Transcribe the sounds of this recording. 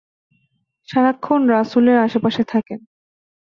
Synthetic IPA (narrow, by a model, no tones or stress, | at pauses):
ʃaɾakʰːonɾasuleɾaʃepaʃet̪ʰaken